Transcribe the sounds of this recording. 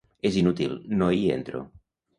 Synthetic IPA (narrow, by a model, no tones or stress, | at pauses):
ezinut̪ḭlnoiḛnt̪ɾo̰